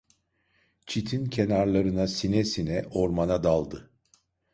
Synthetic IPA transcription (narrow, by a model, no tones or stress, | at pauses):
t͡ʃʰit̪ʰincʰe̞naɾlˠaɾɯnasinɛsinɛʔo̞ɾmanad̪alˠd̪ɯ